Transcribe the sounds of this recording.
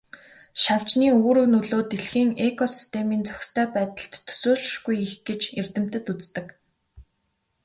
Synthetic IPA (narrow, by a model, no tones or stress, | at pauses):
ʃaw̥t͡ɕniːoːɾɵ̆wnɵɮoːt̪eɮxiːŋekʰɔsi̥st̪ʰemiːnt͡sœ̥xʲst̪ʰæːpæːt̪ə̆ɬt̪ʰːɵ̥soːɮ̆ʃɡujixɡ̥et͡ɕert̪ɘ̆m̥t̪ɘ̆t̪ut͡st̪ə̆k